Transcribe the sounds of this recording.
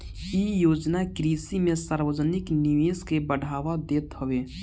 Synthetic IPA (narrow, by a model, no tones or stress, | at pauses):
ijoːd͡ʒnakɾiːsimẽsaːɾwəd͡ʒənɪknɪʋeːskebəɽ̤ʱaːʋad̪eːt̪ɦoʋeː